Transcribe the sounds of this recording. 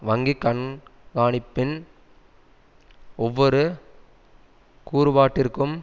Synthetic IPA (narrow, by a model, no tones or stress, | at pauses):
ʋɐŋɡikːɐɳɡaːɳɪpːɪn | ɔʋːɔɾɯ | kuːɾɯbaːʈːɪɾɯkːɯm